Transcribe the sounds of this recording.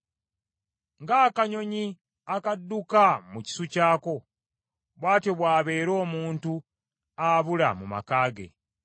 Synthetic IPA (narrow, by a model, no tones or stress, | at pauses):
ŋɡaːkaɲo̞ɲi | akadːukamuci̥sucaːko̞ | βwaːteβwaːβe̞ːɾo̞ːmuːntu | aβula̰muma̰kaːɡe̞̰